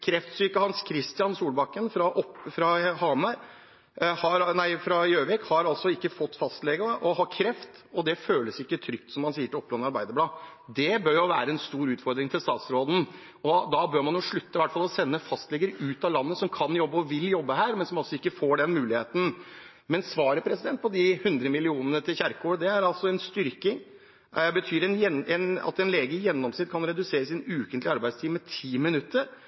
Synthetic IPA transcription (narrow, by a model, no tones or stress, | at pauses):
kʰɾɛft̪syːkəhɑnskʰɾɪst̪ɪɑnsuːlbɑkːənfɾɑʔɔpfɾɑhɑmɑɾ | hɑɾnæɪfɾɑjøːʋɛkhɑɾɑlsɔɪkːəfɔt̪ːfɑst̪lɛɡəʔɔhɑkʰɾɛft̪ | ɔd̪ɛføːləsɪkːət̪ʰɾʏkt̪sɔmːɑnsiːəʈɪlɔpːlɔnɑɾbæɪd̪əblɑː | d̪ɛbœɾjʊʋæːɾəɛnst̪uːɾʉːt̪fɔɾd̪ɾɪŋt̪ʰɪlst̪ɑːt̪sɾoːd̪n̩ | ɔd̪ɑbøːɾmɑnjʊʂɭʉt̪ːəʋæʈfɑlɔsɛnːəfɑst̪lɛɡəɾʉːt̪ɑlɑnːəsɔmkʰɑnjɔbːəɔʋɪljɔbːəɦæːɾmɛnsɔmɑlsɔɪkːəfoːɖɛnmʉːlɪheːt̪n̩ | mɛnsʋɑːɾəpʰɾɛsɪd̪ɛnt̪̚pʰɔd̪ɪhʉnd̪ɾəmɪlɪuːnənət̪ʰɪlçæɾkoːd̪ɛæɾɑlsɔɛnst̪ʏɾkɪŋ | bət̪ʰyːɾɛnjɛnɛnɑ̰t̪ɛnleːɡəjɛnːɔmsnɪt̪̚kʰɑnɾɛd̪ʉseːɾəsɪnʉːkənt̪lɪɑɾbæɪd̪st̪ʰiːʋmɛt̪ʰiːmɪnʉt̪ːəɾ